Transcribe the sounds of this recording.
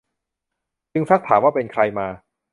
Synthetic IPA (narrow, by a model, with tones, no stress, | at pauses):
t͡ɕɯ˧ŋsa˦˥k̚t̪ʰaː˩˦mwaː˥˩pe˧nkʰɾa˧jmaː˧